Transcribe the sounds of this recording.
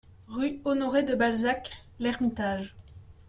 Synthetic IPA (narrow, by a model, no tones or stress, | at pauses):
ʁyɔnɔʁed̪əbalzak | lɛʁmit̪aʒ